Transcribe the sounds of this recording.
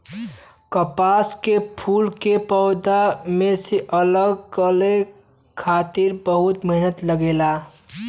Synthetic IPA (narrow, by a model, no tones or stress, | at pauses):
kəpaːskepʰuːlkepɔʊd̪amẽseʔələɡkəle | kʰaːt̪iɾbəɦʊt̪məɦnət̪ləɡeːlaː